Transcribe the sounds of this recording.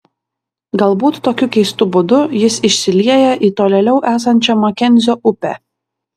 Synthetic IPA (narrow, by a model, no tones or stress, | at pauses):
ɡɐlˠbuːt̪ːoːkʲʊkʲɛɪst̪ʊbʊd̪ʊjɪsɪʃʲsʲɪlʲiɛjɛʔit̪oːlʲɛlʲɛʊʔæːs̬ɐnʲt͡ʃʲɛmɐkʲɛnʲzʲoːʔʊpʲɛ̰